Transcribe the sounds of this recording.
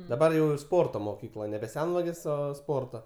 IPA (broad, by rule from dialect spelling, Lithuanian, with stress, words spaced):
dɐˈbɐr jɛʊ ɪr ˈspoːrtoː moːˈkʲiːklˠɐ nʲɛbʲɛ ˈsʲɛnʋɐɡʲeːs ˈoː ˈspoːrtoː